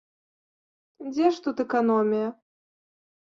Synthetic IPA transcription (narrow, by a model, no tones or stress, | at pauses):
d͡zʲɛʂt̪ut̪ɛkanɔmʲijɐ